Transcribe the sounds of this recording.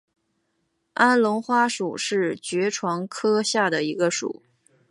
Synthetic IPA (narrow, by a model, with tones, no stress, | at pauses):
a˥nlʊ˧˥ŋxwa˥ʂu˨˩ʂɻ̩˥˩t͡ɕɥɛ˧˥ʈ͡ʂʰwɑ˧˥ŋkʰɤ˥ɕja˥˩d̪ə˩i˧˥ɡə˧ʂṵ˨˩˦